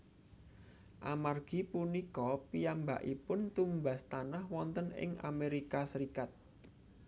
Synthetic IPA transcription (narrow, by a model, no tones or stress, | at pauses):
ʔamarɡ̥i̤punikɔpijamba̰ʔipʊnt̪umbast̪anahwɔnt̪ənɪ̰ŋa̰meɾikasəɾikat̪̚